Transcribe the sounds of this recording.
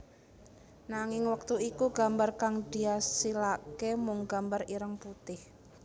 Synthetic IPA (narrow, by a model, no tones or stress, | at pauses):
naŋɪŋwək̚t̪uikuɡ̥a̤mbarkaŋd̥i̤asilakemʊŋɡa̤mbariɾəŋput̪ɪh